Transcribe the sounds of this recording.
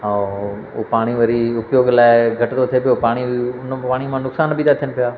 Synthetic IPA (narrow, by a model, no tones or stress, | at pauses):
ɦã | o̰ːpaːɽ̃iʋɐɾiʊpjoːɡlaːɪɡʱɐʈd̪ot̪ʰiepɪjoːpaːɽ̃iʊnpaːɽ̃imãːnʊksaːnbʱid̪at̪ʰijənɪpɪjaː